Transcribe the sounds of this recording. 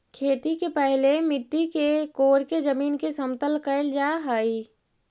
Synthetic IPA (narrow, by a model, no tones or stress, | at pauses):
kʰeːt̪ikepəɦlemɪʈːikekoːɾked͡ʒəmiːnkesəmt̪əlkəɪld͡ʒaɦəi